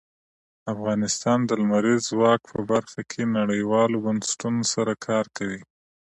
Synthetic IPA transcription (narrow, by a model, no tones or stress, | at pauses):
afɣɑnɪst̪ɑnd̪əlmaɾizwɑk̚pʰəbaɾxakʰenaɽəjwɑlobʊnsʈunosaɾakʰɑɾkawi